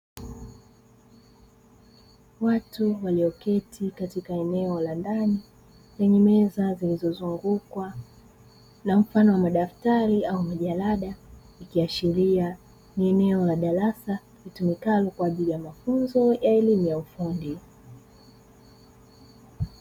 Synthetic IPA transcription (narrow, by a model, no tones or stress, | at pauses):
watuwaliɔkɛtʰikatikaɛnɛɔlandani | lɛɲɛmɛzazilizɔzuŋɡukwa | nam̩fanɔwamaɗaftaɾiaumaʄalaɗa | ikiaʃiɾia | niɛnɛɔlaɗaɾasa | vitumikalɔkwaːʄilijamafunzɔjaɛlimujaufundi